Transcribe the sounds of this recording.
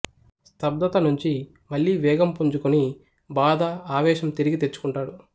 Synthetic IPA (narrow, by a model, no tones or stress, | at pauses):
st̪ʰɐb̚d̪ɐt̪ɐnuɲt͡ʃi | mɐɭːiːʋɛːɡɐmpuɲd͡ʒukuni | baːd̪ɐaːʋɛːʃɐmt̪iɾiɡit̪et͡ʃːu̥kuɳʈaːɽu